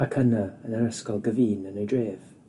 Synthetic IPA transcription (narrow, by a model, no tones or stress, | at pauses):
akʰənəənəɾəskɔlˠɡəviːnənejdreːv̥